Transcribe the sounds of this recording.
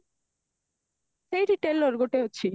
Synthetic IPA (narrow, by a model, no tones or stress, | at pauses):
ʃejɾiʈelːoɾɡoʈeɦotːɕʰi